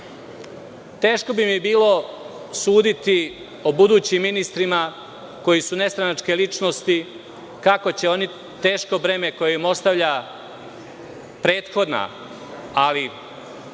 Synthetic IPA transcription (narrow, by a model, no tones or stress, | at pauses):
t̪e̞ːʃko̞bimibiːlo̞ | suːd̪it̪i | obud̪uːt͡ɕimːinist̪ɾima | ko̞jisune̞st̪ɾanat͡ʂke̞lit͡ʃnost̪i | kako̞t͡ɕe̞o̞ni | t̪e̞ːʃko̞bɾe̞meko̞jeimo̞st̪aʋʎa | pɾe̞ːt̪xo̞d̪na̰ | ali